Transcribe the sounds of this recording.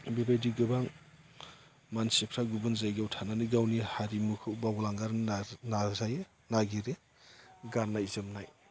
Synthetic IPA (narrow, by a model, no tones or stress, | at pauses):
bibajdiɡɯbaŋ | mansipʰɾaɡubɯnzajɡawtʰananiɡawnihaɾimukʰɯwbawlaŋɡaɾnazaje | naɡiɾe | ɡanːajzɯmnaj